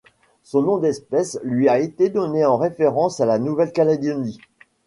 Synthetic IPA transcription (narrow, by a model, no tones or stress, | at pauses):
sɔ̃nɔ̃d̪ɛspɛslɥiaet̪ed̪ɔneɑ̃ʁefeʁɑ̃salanuvɛlkalad̪ini